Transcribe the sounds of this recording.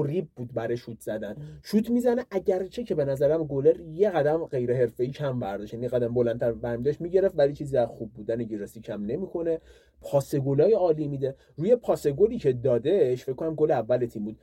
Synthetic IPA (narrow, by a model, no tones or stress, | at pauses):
oɾiːb̚buːd̪̚bæɾeʃuːt̪ʰz̥æd̪ænʃuːt̪ʰmizæneʔæɟæɾt͡ʃʰecʰe̞be̞næzæɾæmɡo̞leɾjeɣæd̪æmɢe̞jɾeɦe̞ɾfe̞iːcʰæmbæɾd̪ɒʃjænijeɣæd̪æmbolænt̪ʰæɾvæɾmid̪ɒʃt̪miɟe̞ɾeft̪vælit͡ʃʰiːziæzxub̚ːuːd̪æneɡiɾɒsiːcʰæmne̞mikʰo̞ne | pʰɒːse̞ɡolɒːjeɒːliːmid̪e | ɾuːjepʰɒːse̞ɡoliːcʰed̪ɒːd̪eʃfe̞ckʰkːonæmɡoleævːælet̪ʰimbuːd̪